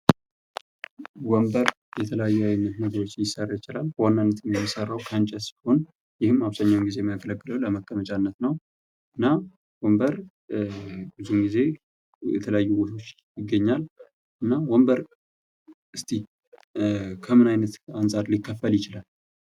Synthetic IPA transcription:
wəmbəɾ | jɛt̪ʰələjajːuajnːət̪nəɡəɾo̞t͡ʃːljɪsːərːajɪt͡ʃɪlalwanːanːət̪ʰɨmjɛmːisərːawkʰant͡ʃʼəsbiho̞n | jɪhɨmːaβzəɲːawumɡize̞məɡələɡːɨləwləməkʰʼːəmət͡ʃʼanːət̪nəw | ʔɨnːa | wəmbəɾ | bɨzumɡize̞ | jɛ̰t̪ʰələjajːuwot̪ʰo̞t͡ʃː | jɪɡːəɲːal | ɨnːawɔmbəɾ | ʔɨst̪ʰi | kʰəmɨnajnət̪ansʼaɾlikʰːəfːəljɪt͡ʃɪlal

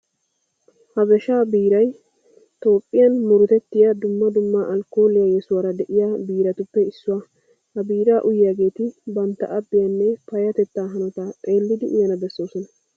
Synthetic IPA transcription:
hɐbɛʃaːbiːɾɐj | t̪o̞ːpʼːɪjɐnmʊɾʊt̪ɛt̪ːɪjɐd̪ʊmːɐd̪ʊmːaʔɐlko̞ːlɪjajɛsʊwaːɾɐd̪ɛʔɪjaːbiːɾɐt̪ʊpːɛɪsːʊwaː | hɐbiːɾaːʔʊjaɡe̞ːt̪ɪbɐnt̪ːɐ̰ʔɐbːɪjɐnːɛpɐjɐt̪ɛt̪ːaːɦɐnɔt̪at̪ʼe̞ːlːɪd̪ɪʔʊ̰jɐnɐbɛsːo̞ːsɔnɐ

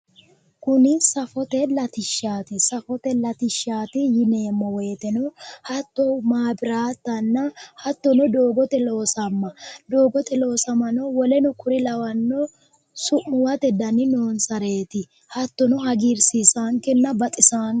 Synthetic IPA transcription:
kʊnɪsɐfɔt̪ɛlɐt̪ɪʃːaːt̪ɪsɐfɔt̪ɛlɐt̪ɪʃːaːt̪ɪjɪne̞ːmːɔwɔjt̪ɛnɔhɐt̪ːɔmaːbɪɾaːt̪ːɐnːɐhɐt̪ːɔnɔd̪o̞ːɡɔt̪ɛlo̞ːsɐmːɐd̪o̞ːɡɔt̪ɛloːsɐmɐnɔwɔlɛnɔkʊɾɪlɐwɐnːɔ | sʊʔːʊwɐt̪ɛd̪ɐnɪnoːnsɐɾe̞ːt̪ɪ | hɐt̪ːɔnɔɦɐɡiɾsisaːŋkɛnːɐbɐt̪ʼɪsaŋ

